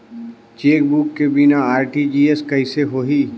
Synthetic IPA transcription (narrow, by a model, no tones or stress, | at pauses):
t͡ʃeːk̚bukːebinaaːɾʈid͡ʒiːeskɐɦɪseɦoːɦiː